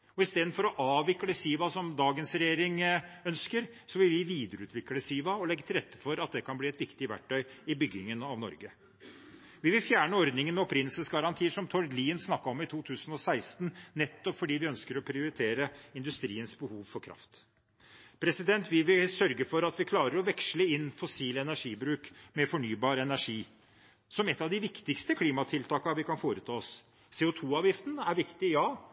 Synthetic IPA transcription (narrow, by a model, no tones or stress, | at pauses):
ɔɪst̪eːd̪nfɔɾɔʔɑːʋɪkːləsiːʋɑsɔmd̪ɑːɡənsɾɛjeːɾɪŋœnskəɾsɔʋɪlʋɪʋiːd̪əɾəʉːt̪ʰʋɪkːləsiːʋɑɔlɛɡːət̪ʰɪlɾɛt̪ːə̥fɔɾɑt̪̚d̪ɛkʰɑnbliːɛt̪ʋɪkt̪ɪʋæ̰ʈʰːœʏɪbʏɡːɪŋənɑʋnɔ̰ɾɡə | ʋɪʋɪlfjæːɳəɔɾd̪nɪŋənmɛɔpɾɪnl̩səsɡɑɾɑnt̪ʰiːəʂɔmt̪ʰɔɾd̪liːənsnɑkːɑɔmɪt̪ʰuːt̪ʰʉːsənɔsæɪst̪n̩nɛt̪ːɔpfɔɖiːʋɪœnskəɾɔpʰɾɪʊɾɪt̪ʰeːɾəɪnd̪ʉst̪ɾiːənsbəhuːʋfɔɾkʰɾɑ̰ft̪ | pʰɾɛsɪd̪ɛnt̪ʰʋɪʋɪlsœɾɡəfɔɾɑt̪ʋɪkʰlɑːɾəɾɔʋɛkʂləɪnːfɔsiːlɛnæʂiːbɾʉːkmɛfɔɳyːbɑːɾɛnæʂiː | sɔmɛt̪ːɑʋd̪ɪʋɪkt̪ɪkst̪əkʰliːmɑt̪ʰɪlt̪ʰɑːkəɑʋɪkʰɑnfoːɾət̪ʰɑːɔs | seːʊt̪ʰuːɑːʋjɪft̪ənəæɾʋɪkt̪ɪjɑː